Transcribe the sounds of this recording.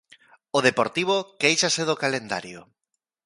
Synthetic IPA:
oð̞epoɾt̪iβ̞okejʃaseðokalend̪a̰ɾjo

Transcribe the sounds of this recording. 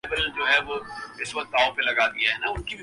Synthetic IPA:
bəld͡ʒoːɦɛʋoɪsʋɐk̚t̪aːõpelɐɡaːd̪iaɦɛnaʊnkibʱ

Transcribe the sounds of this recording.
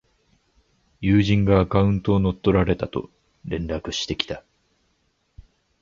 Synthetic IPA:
jɯːʑĩŋɡaːkaɯ̟̃nt̪o̞ːno̞t̪ːo̞ɾaɾe̞t̪at̪o̞̰ | ɾẽ̞nɾakɯ̟ɕi̥t̪e̞kʲi̥t̪a

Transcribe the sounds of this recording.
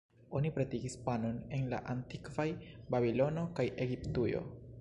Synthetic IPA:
o̞nipɾetiɡispanone̞nla̰ʔantikvajbabilo̞no̞kajʔe̞ɡiptujo̰

